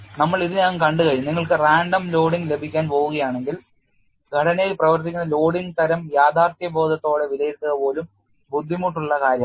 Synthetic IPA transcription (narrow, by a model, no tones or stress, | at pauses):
nɐmːɐɭiðɨɲaːnkɐɳɖɨkɐɻumniŋːɐɭkɨraːɳɖɐmlo̞ːɽiŋɡle̞bʱikʲːaːnpo̞ːʋuɣɐjaːɳe̞ŋɡil | ɡʱɐɽɐnejprɐʋɐrt̪̬ikʲːunːɐlo̞ːɽiŋɡt̪ɐɾɐmjaːd̪ʱaːrt̪jɐbo̞ːd̪ɐt̪ːo̞ːɽe̞ʋilɐjiɾt̪ːɐðɐpo̞ːlum | bud̪ʱːimuʈːuɭːɐkaːɾjɐm